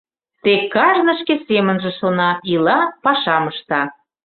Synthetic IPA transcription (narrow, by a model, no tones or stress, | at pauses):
t̪ekːɑʒnə̆ʃkesemə̆nʒĕʃonɑilɑpɑʃɑməʃt̪ɑ